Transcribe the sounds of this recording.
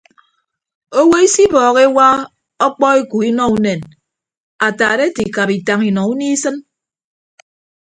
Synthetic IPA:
o˦we˦i˦si˦bɔː˨ɣe˦wa˦ | ɔ˦k͡pɔ˦e˦ku˨i˦nɔ˦u˦ne˨n | a˨taː˨ɾe˦ti˨ka˨pi˨ta˨ŋi˨nɔ˨u˦ni˦sɨ˦n

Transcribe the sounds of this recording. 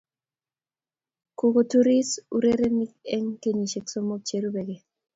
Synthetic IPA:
ku˨ko˨tu˦ɾi˦su˦ɾe˦ɾe˦mi˦k̚ɛ˦ŋke˦˨ɲi˨ʃe˨kso˦mo˦k̚t͡ʃe˨ɾu˦bɛ˨ɡɛ˨

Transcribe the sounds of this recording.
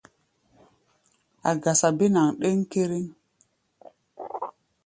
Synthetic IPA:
a̰˨ɡa˨sa˨be˦na˨ŋɗe˦ŋke˦ɾi˦ŋ

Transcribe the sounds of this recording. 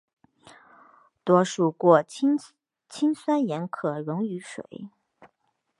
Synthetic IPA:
t̪wɔ˥ʂu˥˩kwɔ˥˩ | t͡ɕʰi˥ŋswa˥njɛ˧˥nkʰɤ˨˩ɻʊ˧˥ŋy˧˥ʂwḛ˨˩˦ɪ

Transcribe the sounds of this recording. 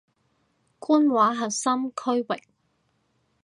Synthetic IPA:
kuː˥nwaː˨˥ɦɐ˨t̚sɐ˥mkʰɵ˥ɥwɪ˨k̚

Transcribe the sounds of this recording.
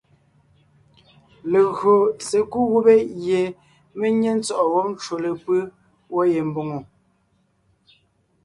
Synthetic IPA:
le˨ɣɰo˨se˨ku˦ɣu˦be˦je˨ | me˦ɲe˦n̩˦t͡sɔ˦˨ʔɔ˨wɔ˦p̚n˦t͡ʃo˨le˨pɨ˦ | wɔ˦je˨m̩˦˨bo˨ŋo˨

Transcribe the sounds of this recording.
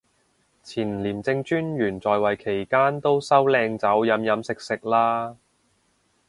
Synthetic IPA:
t͡sʰiː˨˩n˨liː˨˩mt͡sɪ˧ŋt͡ʃyː˥njyː˨˩nt͡sɔː˨jwɐ˨jkʰe˨˩jkaː˥nt̪o˥wsɐ˥wlɛː˧ŋt͡sɐ˨˥wjɐ˨˥mjɐ˨˧˥msɪ˨k̚sɪ˨k̚laː˥

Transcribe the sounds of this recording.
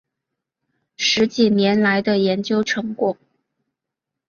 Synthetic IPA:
ʂɻ̩˧˥t͡ɕi˨˩njɛ˧˥nla˧˥ɪd̪ə˧jɛ˧˥nt͡ɕjo˥ʊʈ͡ʂʰɤ˧˥ŋkwɔ˨˩

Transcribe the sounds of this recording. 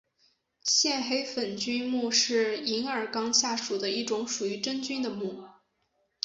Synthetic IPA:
ɕjɛ˥˩nxe˥ɪfə˨˩nt͡ɕy˥nmu˥˧ʂɻ̩˥˩i˧˥ŋə˞˨˩kɑ˥ŋɕja˥˩ʂu˨˩d̪ə˦i˥˩ʈ͡ʂʊ˧˥ŋʂu˨˩y˧˥ʈ͡ʂə˥nt͡ɕy˥nd̪ə˨mu˥˩

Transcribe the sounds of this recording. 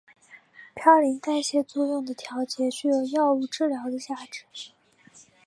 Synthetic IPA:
pʰjɑ˥˩ʊli˧˥ŋt̪a˥˧ɪɕjɛ˥˧t͡swɔ˥˧jʊ˥˩ŋd̪ə˩t̪ʰjɑ˧˥ʊt͡ɕjɛ˧˥t͡ɕy˥jo˨˩ʊjɑ˥˧ʊu˥˧ʈ͡ʂɻ̩˥˩ljɑ˧˥ʊd̪ə˧t͡ɕja˥˩ʈ͡ʂɻ̩˨˩˦

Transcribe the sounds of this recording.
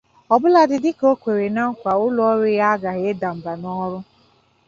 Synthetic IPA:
ɔ˨bʊ˦la˨dɪ˨dɪ˦ko˦kʷe˨ɾe˨na˦ŋ̩˦kʷa˨ʊ˦lɔ˦ɾʊ˦ɣa˦a˦ɡa˨ɦɪ˦e˦da˨m̩˨ba˨nɔ˦ɾʊ˦

